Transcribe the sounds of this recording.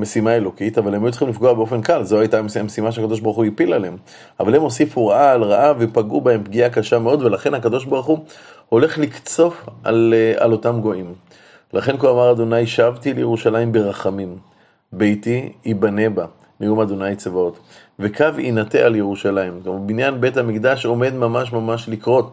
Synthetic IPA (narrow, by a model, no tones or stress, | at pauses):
mesimae̞lo̞kitavalemajutt͡sχimlifɡo̞abeo̞fe̞nkalzo̞ajtamsmesimaʃeakad̪o̞ʃbaʁχuipilalem | avalhemo̞sifuʁaʔaːlʁaʔavepaɡubae̞mpɡiakaʃameo̞d̪ve̞laχe̞nakad̪o̞ʃ̬baʁχu | ho̞le̞χlikt͡so̞fa̰la̰lo̞tamɡo̞ʔim | lʔaχenkoamaʁad̪o̞najʃavtilejeʁuʃalaimbe̞ʁaχamim | bejtiːbane̞ba | mijumad̪o̞najt͡svao̞t | ve̞kavḭnatealjeʁuʃalaimkmubinjanbe̞thamikd̪aʃo̞me̞d̪mamaʃ̬mamaʃlikʁo̞t